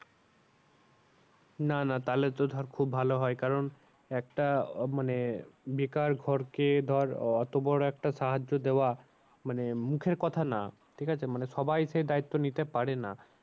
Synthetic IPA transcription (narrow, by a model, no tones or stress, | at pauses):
nanat̪aleɾt̪od̪ʱɔɾkʰubbʱaloɦɔekaɾon | ɛk̚ʈamanebikaɾɡʱɔɾked̪ʱɔɾɔt̪obɔɾoɛk̚ʈaʃaɦad͡ʑːod̪eoa | manemukʰeɾkɔt̪ʰana | ʈʰikʰat͡ɕʰemaneʃɔbajʃejd̪ait̪ːonit̪epaɾena